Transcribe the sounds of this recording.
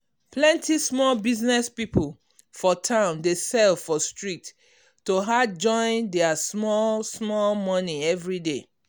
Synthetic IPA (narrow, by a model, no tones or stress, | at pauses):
plɛ̃ntismɔlbiznɛspipol | fɔtʰãʊ̃ndesɛlfɔstɹitː | oɦad͡ʒɔ̃ɪ̃ndɛasmɔlsmɔlmɔ̃niɛvɹide